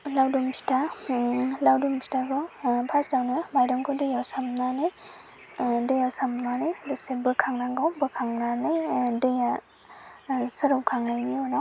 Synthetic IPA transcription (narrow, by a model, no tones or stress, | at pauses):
lawdumpʰi̥tʰa | lawdumpʰi̥taɡɔpʰasdawnɯmajɾɔmkʰɯdɯjawsamnanɯj | dɯjawsamnanɯjlusebɯkʰaŋnaŋɡawbɯkʰaŋnanɯjdɯja | sɯɾɔpkʰaŋnajniɔnaw